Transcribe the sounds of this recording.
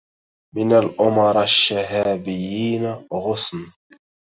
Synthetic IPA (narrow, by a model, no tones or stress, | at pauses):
mɪnalʔʊmɑɾˤaʃːaɦaːbɪjːiːnaɣʊsn